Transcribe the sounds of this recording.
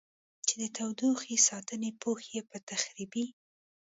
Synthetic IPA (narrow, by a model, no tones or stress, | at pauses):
t͡ʃed̪ət̪awd̪uxesɑt̪ənepoxjepət̪axɾibi